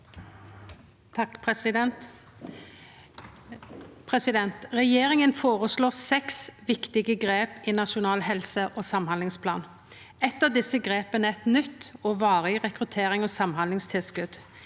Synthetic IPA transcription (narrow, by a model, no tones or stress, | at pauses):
ɑp̪ | pʰʁɛsɪd̪ɛnt̪ʁɛjeːʁɪŋənfoːʁəsloːsɛksʋɪkt̪ɪɡəɡʁeːpinɑʃʊnɑːlhɛlsəʔoːsɑmhɑnlɪŋspʰlɑ̰ːn | ɛt̪ːəd̪ɪsəɡʁeːpənəɛt̪nʏt̪ːɔːʋɑːʁɪʁɛkʁʉt̪ʰeːʁɪŋɔːsɑmhɑnlɪŋst̪ʰɪlskʉd̪